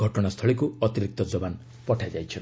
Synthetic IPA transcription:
ɔʈɔnast̪ʰɔɭikuɔt̪iɾik̚t̪ɔd͡zɔban | pɔʈʰajd͡ʒajt͡ʃʰʌ

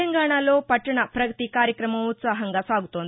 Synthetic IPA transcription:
əŋɡaɳ̃alopɐʈːɳapɾɐɡt̪ikaɾjəkɾəmaʋut͡saɦɐŋɡasaɡt̪on

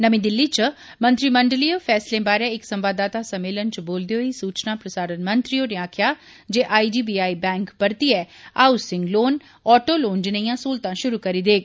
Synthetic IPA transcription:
nəmĩːd̪ɪlːit͡ʃ | mə̃nt̪ɾiməɳɖlijoːpʰɛːslẽːbaːɾeɪksəmbaːd̪aːt̪aːsəmeːlənt͡ʃboːld̪eoːisuːt͡ʃnãːpɾəsaːɾənmənt̪ɾijoːneaːkʰjaː | d͡ʒeːʔaːid͡ʒiːbiːaːibɛ̃ːŋkpəɾt̪iɛːaːusɪŋɡloːn | ɔːʈoːloːnd͡ʒɪnəijãːsuːlt̪ãːʃʊɾukəɾiːd̪eːɡ

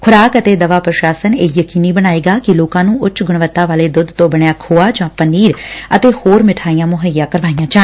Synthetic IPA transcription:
kʰʊɾaːkət̪eːd̪əʋaːpɾəʃaːsəneːjəkiːniːbəñaːeːɡaːkɪloːkãːnũːʔʊt͡ʃɡʊɳʋət̪ːaːʋaːleːd̪ʊd̪t̪õːbəɳjaːkʰoːaːd͡ʒãːpəniːɾət̪eːhoːɾmɪʈʰaːijãːmʊɦəijãːkəɾʋaːijãːt͡ʃaː

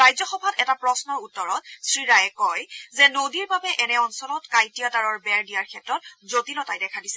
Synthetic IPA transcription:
ajzɔxɔbʱatɛtapɹɔsnɔɹutːɔɹɔt̚sɹiɹajɛkɔjzɛnodiɹbabɛʔɛnɛɔnsɔlɔtkajtijataɹɔɹbɛɹdijaɹkʰɛtɹɔt̚zotilɔtajdɛkʰadisɛ

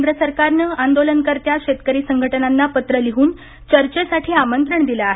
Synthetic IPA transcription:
nd̪ɾəsəɾkaɾnəand̪olənkəɾt̪jaɕet̪kəɾiːsəŋɡʱəʈənanːapət̪ɾəliɦuːn | t͡ɕəɾt͡ɕesaʈʰiːamənt̪ɾəɳd̪ilaaɦe

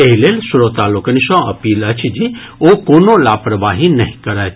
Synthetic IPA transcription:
eɦilelsuɾot̪aːlokəniʃɔ̃ɐ̰piːlət͡ʃʰd͡ʒi | okoːnolaːpɾəʋaːɦinɐɦĩkəɾaj̪

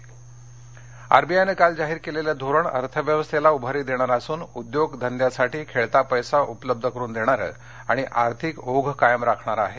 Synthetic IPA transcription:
a̰ɾbiajnekald͡zaɦiːɾkeleljad̪ʱoɾəɳə̰ɾt̪ʰəʋjəʋəst̪ʰelaubʱaɾiːd̪eɽ̃aɾasuːnud̪joɡd̪ʱənd̪jasaʈiːkʰeɭt̪apəjsaʔupələb̚d̪ʱəkəɾuːnd̪eɽ̃aɾə̰ | aɽ̃iʔaɾt̪ʰikoɡʱkajəmɾakʰɳaɾaɦe

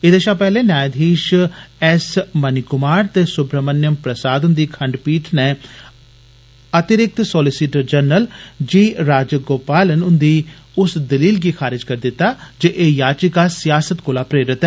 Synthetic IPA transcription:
ɪd̪eʃãːpɛːɦleːnaːjd̪ʱiːʃɛsmənɪkʊmaːɾt̪eːsʊbɾəmənjəmpɾəsaːd̪ʊnd̪iːkʰə̃ɳɖpiːʈʰneː | ət̪ɪɾɪk̚t̪sɔːlɪsiʈəɾd͡ʒəɾnəld͡ʒiːɾaːd͡ʒɡoːpaːlənʊnd̪iː | ʊsd̪əliːlɡiːkʰaːɾɪd͡ʒkəɾd̪ɪt̪ːaːd͡ʒeʔeːjaːt͡ʃikaːsɪjaːsət̪koːlaːpɾeːɾɪt̪ɛː

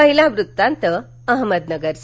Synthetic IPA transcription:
əɦilãʋɾut̪ːãnt̪ə | əɦməd̪nəɡəɾs

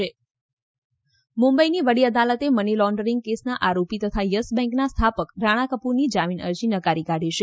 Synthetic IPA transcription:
e | mumbəiniʋəɽiəd̪alət̪emənilɔɳɖəɾiŋɡ̚kesnaʔaɾopit̪ət̪ʰajəsbɛ̃ŋknast̪ʰapəkɾaɽ̃akəpuɾnid͡ʒaminə̰ɾd͡ʒinəkaɾikaɽ̤ʱiʃe

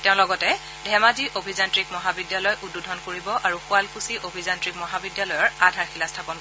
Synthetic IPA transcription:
tɛʊ̃lɔɡɔtɛ | dʱɛmaziʔobʱizantɹikmɔɦabidjalɔjʔududʱɔnkoɹibɔʔaɹuxʊalkusiʔobʱizantɹikmɔɦabidjalɔjɔɹadʱaɹxilastʰapɔn

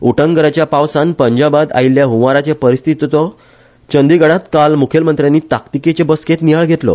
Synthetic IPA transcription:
uʈəŋɡəɾat͡ɕjapawsanpəɲd͡ʑabad̪a̰ilːjaɦumaɾat͡ɕepəɾist̪ʰit̪t̪ɔ | t͡ɕənd̪iɡəɽat̪kalmukʰelmənt̪ɾjãnːiːt̪akt̪iket͡ɕebəsket̪nijaɭɡʱet̪lɔ̰

